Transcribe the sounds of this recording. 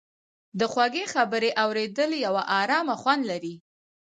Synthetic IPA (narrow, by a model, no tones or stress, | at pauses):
d̪əxwaɡexabəɾeʔawɾed̪əljawaʔɑɾɑmaxwand̪laɾi